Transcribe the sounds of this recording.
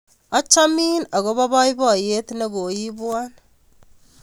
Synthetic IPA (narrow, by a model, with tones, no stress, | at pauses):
a˦t͡ʃa˦miː˦na˨ɣo˦βa˦βa˦i˦βa˦˨je˦t̪ne˦βo˨ji˦βwa˦n